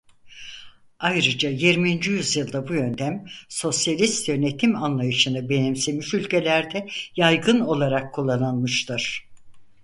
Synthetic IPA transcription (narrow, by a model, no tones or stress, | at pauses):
ajɾɯd͡ʒajiɾmiːnd͡ʒijyzjɯlˠd̪abujø̞nt̪ʰæmso̞sjalʲist̪jø̞ne̞t̪ʰimanlˠajɯʃɯnɯbe̞nemsemiʃylʲcʰe̞lʲæɾd̪ɛjajɡɯno̞lˠaɾakʰːulˠːananmɯʃt̪ʰɯɾ̥